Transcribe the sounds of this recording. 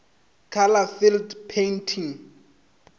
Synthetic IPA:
kʰalafildpʰentʰiŋ

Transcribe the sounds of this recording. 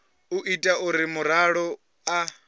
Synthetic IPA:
uʔitʼaʔuɾimuɾaɺɔ | a

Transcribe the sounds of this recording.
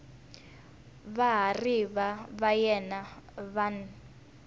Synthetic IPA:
βaɦariβaβajɛnaβan

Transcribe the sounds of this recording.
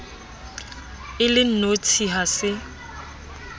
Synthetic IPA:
ɪlɪn̩not͡sʰiɦasɪ

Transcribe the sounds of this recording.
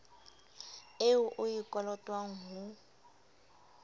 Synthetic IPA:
eʊʔʊjikʼɔlɔtʼwaŋ̩ɦʊ

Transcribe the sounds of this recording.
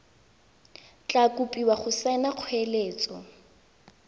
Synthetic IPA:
t͡ɬʼakʼupʼiwaχʊsɛnaq͡χʰweleːt͡sʼɔ

